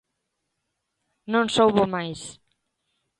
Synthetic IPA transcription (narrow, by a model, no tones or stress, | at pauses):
nõnsowβomajs